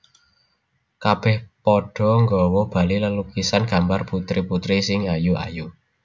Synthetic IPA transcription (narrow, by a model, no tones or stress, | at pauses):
kab̥ɛhpɔɖ̥ɔ̤ŋɡɔwɔb̥a̤liləlukisanɡ̥a̤mbarput̪ɾiput̪ɾisɪŋajuʔa̰ju